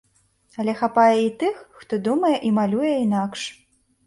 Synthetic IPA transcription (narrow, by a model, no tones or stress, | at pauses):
ɐlʲɛxapajɛit̪ɨxːt̪ɔd̪umɐjɛʔimalʲujɛinakʂ